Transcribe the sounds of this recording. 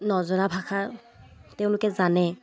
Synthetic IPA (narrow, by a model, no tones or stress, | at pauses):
nɔzɔnabʱaxʰa | tɛʊ̃lʊkɛzanɛ